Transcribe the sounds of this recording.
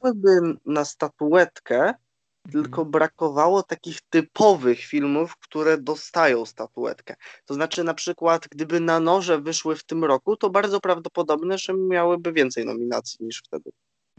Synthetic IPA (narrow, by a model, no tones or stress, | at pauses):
awɘbɘnast̪at̪uɛt̪kɛ | t̪ɘlkɔbɾakɔvawɔt̪akʲixt̪ɘpʰɔvɘxfʲilmufkt̪uɾɛd̪ɔst̪ajɔ̃w̃st̪at̪uɛ̰t̪kɛt̪ɔznat͡ʂɘnapʂɘkwat̪ɡd̪ɘbɘnanɔʐɛvɘʂwɘft̪ɘmɾɔkut̪ɔbaɾd̪zɔpɾavd̪ɔpɔd̪ɔbnɛʐɛmʲjawɘbɘvʲjɛnt̪sɛjnɔ̰mʲina̰t̪sʲjiɲiʂft̪ɛd̪ɘ̰